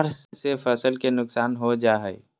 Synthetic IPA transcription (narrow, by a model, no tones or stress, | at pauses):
ɾssefəsəlkenʊksaːnɦod͡ʒaːɦɛ